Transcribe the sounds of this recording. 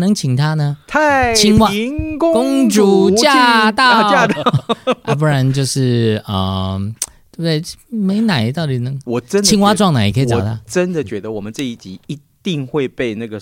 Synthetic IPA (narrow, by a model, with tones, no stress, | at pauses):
nɤ˧˦ŋt͡ɕʰi˨˩ŋt̪ʰa˥nə˧t̪ʰa˥˩t͡ɕʰi˥ŋwa˥kkʊ˥ŋŋʈ͡ʂu˨˩t͡ɕja˥t̪aɑ˥˧ja˥˧t̪ɑ˥a̰˧˩p̬u˥ɻa˧˦nt͡ɕjo˥˧ʊʂɻ̩˥˩ə˩ | twe˥˩bd̪e˥˩ɪme˧˥ɪna˨˩˦ɪt̪ɑ˥˩ʊt̪i˨˩nə˧˦ŋwɔ˨˩ʈ͡ʂə˦nt͡ɕʰi˥ŋwa˥ʈ͡ʂwɑ˥˩ŋna˨˩ɪi˨kʰə˧˥˨ɑ˨˩t̪ʰa˥ʈ͡ʂə˦nd̪ə˨t͡ɕɥɛ˧˦d̪ə˨wɔ˨˩mə˦nt͡sɤ˥˧i˥˩t͡ɕi˨˥˦i˧˥t̪i˥˧ŋxwe˥˧ɪpe˥˧ɪna˥˩ɡə˩